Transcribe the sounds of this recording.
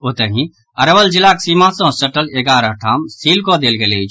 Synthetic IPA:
ot̪əɦĩ | əɾəʋəld͡ʒilaksimãsə̃səʈəleɡaːɾaʈʰaːmsilkod̪eːlɡelei

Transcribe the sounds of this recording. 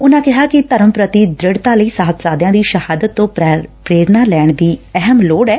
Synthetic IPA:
ʊnãːkɪɦaːkɪt̪əɾəmpɾət̪id̪ɾɪɽt̪aːləiːsaːɦəpsaːd̪jãːd̪iːʃəhaːd̪ət̪ːõːpɾeːɾnaːlɛːɳd̪iːɛɦəmloːɽɛː

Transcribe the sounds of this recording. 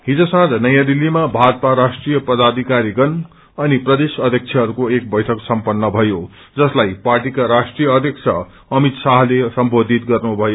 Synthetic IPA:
ɦid͡zʌsãd͡z̪nʌjãd̪ilːimabʱad̪paɾasʈrijʌpʌd̪ad̪ʱikaɾiɡʌn | ʌniprʌd̪esʌd̪ʱjʌk̚t͡sʰjʌɦʌɾukoek̚bʌjʈʰʌksʌmpʌnːʌbʱʌjo | d͡zʌslajparʈikaɾasʈrijʌʌd̪ʱjʌk̚t͡sʰʌ | ʌmit̪saɦlesʌmbod̪ʱit̪̚ɡʌrnubʱʌjo

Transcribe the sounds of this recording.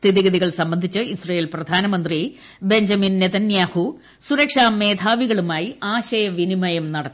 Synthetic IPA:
st̪ʰiðiɣɐðiɣɐɭsɐmbɐnd̪ʱit͡ɕːɨisrɐjeːlprɐd̪ʱaːnɐmɐnd̪ri | be̞ɲd͡ʑɐminːet̪ɐnjaːhu | suɾɐkʂaːme̞ːd̪ʱaːʋiɣɐɭumaːjiaːɕɐjɐʋinimɐjɐmnɐɽɐt̪ː

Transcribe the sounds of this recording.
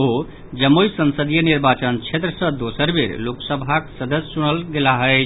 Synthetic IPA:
o | d͡ʒəmːojsənsəd̪ijəniɾbat͡ʃənt͡ʃʰet̪ɾəsə̃d̪osəɾbeɾloksəbʱaksəd̪əssuñəlɡelaɦəɪt͡ʃʰ

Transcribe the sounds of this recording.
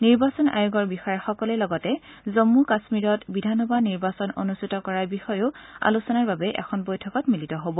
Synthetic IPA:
niɹbasɔna̰jʊɡɔɹbixɔjɛxɔkɔlɛlɔɡɔtɛzomːukasmiɹɔtbidʱanɔbʱaniɹbasɔnonustʰitɔkɔɹaɹbixɔjʊa̰lusɔnaɹbabɛʔɛ̰kʰɔnbɔjtʰɔkɔtmilitɔɦobɔ

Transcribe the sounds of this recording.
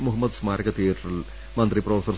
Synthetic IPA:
muɦɐmːɐd̪smaːɾɐɣɐt̪eːʈrɐl | mɐnd̪riprofɐsɐr

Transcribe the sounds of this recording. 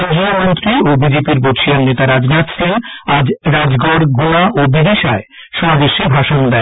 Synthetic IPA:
od͡ʑiomont̪ɾiobid͡ʑepiɾboʃiannet̪aɾad͡ʑnat̪senad͡ʑɾad͡ʑɡɔɽɡoɽ̃aʔobid̪eʃae | ʃɔɦad̪eʃebʱaʃond̪ɛ

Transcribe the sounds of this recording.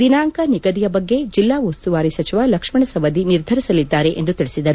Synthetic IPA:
d̪inaːŋkɐniɡɐd̪ijɐbɐɡːe̞d͡ʒilːaːʋost̪uʋaːɾisɐt͡ʃiʋalɐkʂmɐɳɐsɐʋɐd̪iniɾd̪ʱɐɾisɐlid̪ːaːɾe̞ʔḛnd̪ut̪iɭisid̪ɐɾu

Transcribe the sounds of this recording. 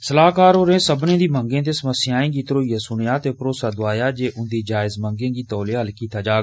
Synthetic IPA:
səlaːkaːɾoːɾẽːsəbnẽːd̪iːmə̃ŋɡẽːt̪eːsəməsɪjãːẽːɡiːt̪əɾoːijaːsʊɳjaːt̪eːpɾoːsaːd̪ʊaːjaːd͡ʒeːʔʊnd̪iːd͡ʒaːɪzmə̃ŋɡẽːɡiːt̪ɔːleːɦəlkiːt̪aːd͡ʒaː

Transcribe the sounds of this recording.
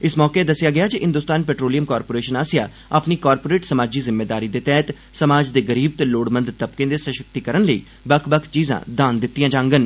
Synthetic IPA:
ɪsmɔːkeːd̪əsjaːɡɪjaːd͡ʒiɦɪ̃nd̪ʊst̪aːnpeːʈɾoːlijəmkaːɾpoːɾeːʃənaːsɪja̰ː | əpniːkaːɾpoːɾeːʈsəmaːd͡ʒiːzɪmːeːd̪aːɾiːd̪eːt̪ɛːt̪ | səmaːd͡ʒd̪eːɡəɾiːb̚t̪eːloːɽmə̃nd̪t̪əbkẽːd̪eːsəʃək̚t̪iːkəɾənləḭː | bəkʰbəkʰt͡ʃiːzã̰ːd̪aːnd̪ɪt̪ːijãːd͡ʒãːŋɡən

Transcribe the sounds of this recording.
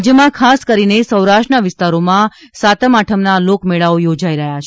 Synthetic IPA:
d͡ʒjəmãkʰaskəɾinesəwɾaʃʈnaʋɪst̪aɾomã | sat̪əmaʈʰəmnalokmeɭaojod͡ʒaiɾəɦjat͡ʃ

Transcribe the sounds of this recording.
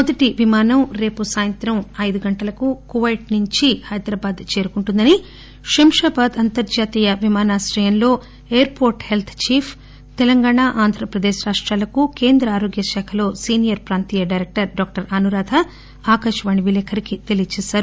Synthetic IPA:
mod̪ɐʈiʋimaːnɐmɾe̞ːpusaːjɐnt̪ɾɐmɐjd̪uɡɐɳʈɐlɐkukuʋɐjʈnuɲt͡ʃihɐjd̪ɾaːbaːd̪t͡ʃe̞ːɾukuɳʈund̪ɐni | ʃimʃaːbaːd̪ɐnt̪ɐɾd͡ʒaːt̪iːjɐʋimaːnaːsɾɐjɐnlo̞ː | eːɐɾpo̞ːɾʈhelt̪ʰt͡ʃiːpʰ | t̪ɛlɐŋɡaːɳaːʔaːnd̪ʱɾɐpɾɐd̪eːʃɾaːʂʈɾaːlɐkuke̞ːnd̪ɾɐaːɾo̞ːɡjɐʃɛːkʰɐlo̞ːsiːnijɐɾpɾaːnt̪iːjɐɖɐjɾek̚ʈɐɾɖaːk̚ʈɐɾɐnuɾaːd̪ʰɐ | aːkɐʂɐʋaːɳiʋilɛːkʰɐɾikit̪e̞lijt͡ʃɛːsaːɾu

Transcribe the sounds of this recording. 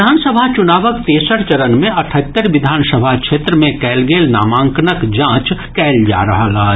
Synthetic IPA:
aːnsəbʱat͡ʃʊnaːʋəkt̪eːsəɾt͡ʃɐɾənmẽɐʈʰət̪ːəɾʋɪd̪ʱaːnsəbʱakʃʰeːt̪ɾəmẽkɛːlɡeːlna̰ːmãːŋknəkd͡ʒãːt͡ʃkɛːld͡ʒa̰ːɾɐɦaɡaːɦ

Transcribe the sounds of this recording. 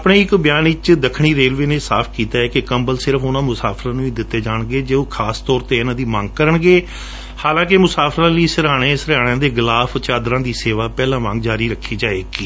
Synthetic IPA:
apɳeːɪkbjaːnɪt͡ʃd̪əkʰɽ̃iːɾeːlʋeːneːsa̰ːpʰkiːt̪aːɛːkekəmbəlsɪɾəpʊnãːmʊsaːpʰɾãːnũːĩːd̪ɪt̪ːeːd͡ʒaːɳɡeːd͡ʒeːõːkʰaːst̪ɔːɾt̪eːɪnãːd̪iːmãŋɡ̚kəɾəɳɡeː | haːlãːk̬emʊsaːpʰɾãːliːsəɾaːɽ̃ẽːsəɾaːɽ̃ãːd̪eːɡɪlaːpʰt͡ʃaːd̪ɾãːd̪iːseːʋaːpɛːlãːʋã̰ŋɡ̚d͡ʒaːɾiːɾəkʰːiːd͡ʒaːeːkiː

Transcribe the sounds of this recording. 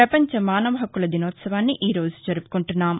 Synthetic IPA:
ɾɐpɐɲt͡ʃɐmaːnɐʋɐɦɐkːulɐd̪inɔːt̪sɐʋaːnːiʔiːɾo̞ːd͡ʒu̥d͡ʒɐɾupu̥kuɳʈunːaːm

